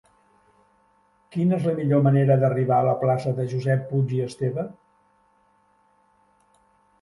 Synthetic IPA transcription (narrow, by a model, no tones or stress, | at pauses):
kinəezləmiʎoməneɾəðəriβaələplasəðəʒuzɛpːud͡ʒiəst̪eβə